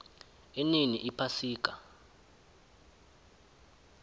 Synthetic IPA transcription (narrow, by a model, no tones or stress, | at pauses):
ininiʔipʰasiːk̬ʼa